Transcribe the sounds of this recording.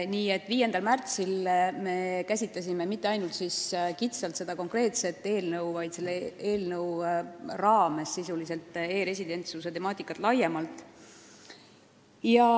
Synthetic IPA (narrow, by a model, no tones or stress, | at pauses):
niːe̞t̪ːˑviːje̞nd̪̥ɑlmært̪silme̞kæsʲit̪ːˑɑsʲime̞mit̪ːe̞ɑjnult̪siskit̪sɑlt̪se̞d̪̥ɑko̞ŋkre̞ːt̪se̞t̪ːˑe̞ːlnɤwvɑjd̪se̞lːeeːlnɤwrɑːme̞sːisulise̞lt̪ːˑe̞ːɾe̞sʲid̪e̞nt̪suse̞t̪e̞mɑːt̪ːˑikːˑɑt̪ˑlɑjemɑlt̪ˑ | jɑ